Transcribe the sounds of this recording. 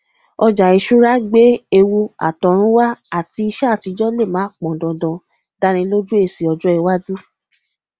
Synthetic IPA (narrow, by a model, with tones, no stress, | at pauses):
ɔ˧d͡ʒa˨i˨˧ʃu˦ɾa˦ɡ͡be˦e˧wu˧a̰˨tɔ˨ɾ̃ũ˦wa˦a˦˨ti˧i˧ʃa˦˨ti˨˧d͡ʒɔ˦le˦˨mãː˨˦k͡pɔ̃˨dɔ̃˨dɔ̃˧ | da˧ɾ̃ĩ˧˦lo˦d͡ʒu˦e˦˨si˨ɔ˧d͡ʒɔ˦ɛ˧wa˦du˦